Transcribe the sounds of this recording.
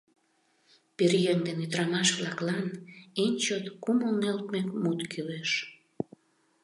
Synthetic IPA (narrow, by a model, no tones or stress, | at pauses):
perjeŋd̪enyd̪ɾɑmɑʃβlɑklɑnenʲt͡ɕot̪kumonːelt̪mekmut̪kyleʃ